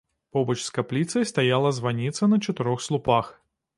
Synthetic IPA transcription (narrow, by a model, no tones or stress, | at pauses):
pɔbɐt͡ʃskaplʲit̪sɐjst̪ajalˠɐzvanʲit̪sɐnɐt͡ʃɐt̪ɪɾɔxslˠupax